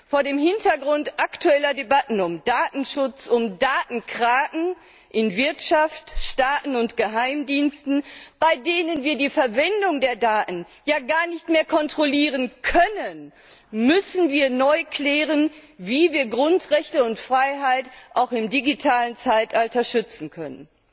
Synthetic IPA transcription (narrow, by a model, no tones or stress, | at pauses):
foːɐdeːmhɪntɐɡʁʊntʔaktuɛlɐdebatn̩ʊmdaːtn̩ʃʊt͡sʊmdaːtn̩kʁ̥aːʔŋ̩ | ʔɪnvɪɐtʃaftʃtaːtn̩ʊntɡ̥əɦaɪmdiːnstn̩b̥aɪdeːnənviːɐdiːfɛɐvɛndʊŋdeːɐdaːtn̩ | jaːɡaːɐnɪçtmeːɐkʰɔntʁ̥oliːʁ̞ənkʰœnən | mʏsn̩viːɐnɔʏkʰlɛːʁənviːviːɐɡʁʊntʁɛçtəʊntfʁ̥aɪɦaɪtʔaʊxɪmdiɡitʰaːlənt͡saɪtʔaltɐʃʏt͡sn̩kʰœnən